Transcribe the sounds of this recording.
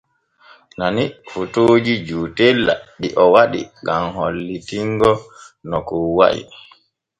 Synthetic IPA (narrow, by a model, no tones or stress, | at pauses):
nanifutoːd͡ʒid͡ʒuːtɛlːa̰ɗiʔɔwaɗḭɡamholːitiŋɡɔ | nɔkuwa̰ʔḭ